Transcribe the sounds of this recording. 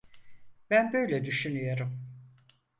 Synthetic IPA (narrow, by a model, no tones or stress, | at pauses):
bænbø̞jlʲɛd̪yʃynyjoɾum